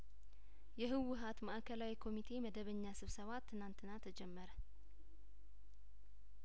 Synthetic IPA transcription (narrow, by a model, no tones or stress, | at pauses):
jɛɦɨwʊɦat̪maʔakʰəlawikʰo̞mit̪ʰe̞məd̪əβəɲːasɨβsəβat̪ʰːɨnant̪ʰɨnat̪ʰəd͡ʒɛmːəɾə